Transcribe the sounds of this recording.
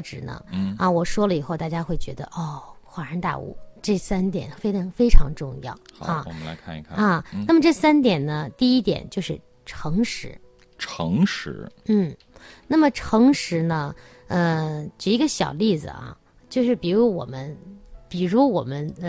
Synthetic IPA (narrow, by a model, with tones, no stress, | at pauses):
ʈ͡ʂɻ̩˨˩nə̰˧˥ŋ˩ɐ˧wɔ˨˩ʂwɔ˥lə˨i˨˩xo˥˧ʊt̪a˥˩t͡ɕja˥xwe˥˩ɪt͡ɕɥɛ̰˧˥d̪ə̰˧ʔɔ˥˩xwa˧˥ɻa˧˥nt̪a̰˥˧˩ṵ˥˩ʈ͡ʂɤ˥˩sa˥nt̪jɛ̰˨˩nfe˥ɪʈ͡ʂʰɑ˧˥ŋfe˥ɪʈ͡ʂʰɑ˧˥ŋʈ͡ʂʊ˥˧ŋjɑ̰˥˩ʊ˨ɐ˥˧˨la̰˧ɪkʰa˥˧kʰa˥˧ɐ˧˩na˥˩mə˩ʈ͡ʂɤ˥˩sa˥nt̪jɛ˨˩nnə˦t̪i˥˩i˥t̪jɛ̰˨˩nt͡ɕjo˥˧ʊʂɻ̩˥˩ | ʈ͡ʂʰɤ˧˥ŋʂɻ̩˧˥ | ʈ͡ʂʰɤ̰˧˥ŋʂɻ̩̰˧˥n̩˥˩ | na˥˩mə˩ʈ͡ʂʰɤ˧˥ŋʂɻ̩˧˥nə˧ | ə˧ʈ͡ʂɻ̩˨˩i˧˥ɡə˧ɕjɑ̰˨˩ʊli˥˩d͡zɹ̩̰˨˩ɐ̰˩ | t͡ɕjo˥˧ʊʂɻ̩˥˩pi˨˩ɻu˧˥wɔ̰˨˩mə˦npi˨˩ɻu˧˥wɔ˨˩mə˦n˧